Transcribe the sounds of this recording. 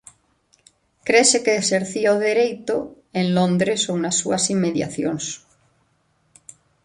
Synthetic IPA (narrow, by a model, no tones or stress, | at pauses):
kɾesekeːseɾθiaoðeɾejt̪o | ẽnlõnd̪ɾesownasːuasimːeðja̰θjoŋs